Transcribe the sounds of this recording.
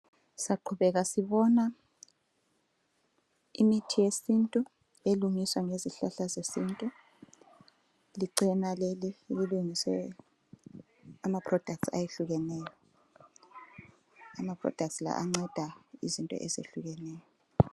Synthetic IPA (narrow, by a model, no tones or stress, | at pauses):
saǃʰuβɛɣasiβɔna | imitʰijesintʼu | eluŋiswaŋeziɬaɬazesintʼu | liǀɛnalelililuŋiswɛ | amapʰrɔd̥ʱak̚tsa̰jeɬuɣɛnɛːjɔ | amapʰrɔ̰d̥ʱak̚tsla̰ʔaŋ͡ǀɛd̥ʱaizintʼɔ̰ʔezḛɬuɣɛnɛːjɔ